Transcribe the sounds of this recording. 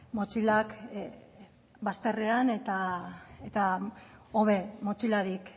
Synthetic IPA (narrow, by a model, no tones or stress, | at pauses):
mo̞t͡ʃilak | bast̪e̞reane̞t̪aet̪a | oβe̞mo̞t͡ʃilaɾik